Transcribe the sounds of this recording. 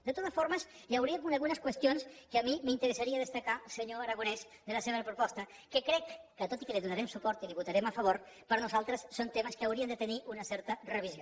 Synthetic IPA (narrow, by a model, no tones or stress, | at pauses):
d̪ət̪ot̪əsfoɾməz | jawɾiəkunəɣunəskwəst̪ionskəːmimint̪əɾəsaɾiaðəst̪akasəɲoəɾaɣ̞unɛs | d̪ələseβɾəpɾupɔst̪ə | kəkɾɛkːət̪ot̪ikəliðunaɾɛmsupɔɾt̪iliβut̪aɾɛməfəβ̞oɾ | pəɾnuzalˠt̪ɾəsːont̪eməskəawɾiənd̪ət̪əniʔunəsɛɾt̪ərəβizo